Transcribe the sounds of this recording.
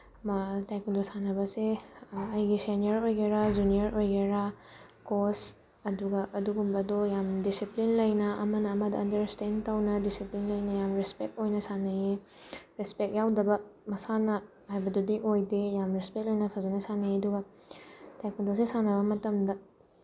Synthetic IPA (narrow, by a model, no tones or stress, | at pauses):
mɐtajkundosanɐbɐseɐjɡiseniɐɾojɡeɾad͡ʒuniɐɾojɡeɾa | kos | ɐduɡɐʔɐduɡumbɐdojamdisiplinlɐjnɐʔɐmɐnɐːmɐdɐɐndɐɾstentɐwnɐdisiplinlɐjnɐjamɾespek̚tojnɐsanɐje | ɾespek̚jawdɐbɐmɐsanɐ | hajbɐdudiʔojdejamɾespek̚lojnɐpʰɐzɐnɐsanɐeɐduɡɐ | tajkundosesanɐbɐmɐtɐmdɐ